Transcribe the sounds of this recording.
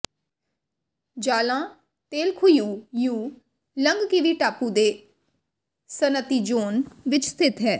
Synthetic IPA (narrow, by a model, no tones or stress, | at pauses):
d͡ʒaːlãː | t̪eːlkʰʊjuːjũː | ləŋɡkiʋiːʈaːpũːd̪eː | sənət̪iːd͡ʒoːnʋɪt͡ʃst̪ʰɪt̪ɦɛː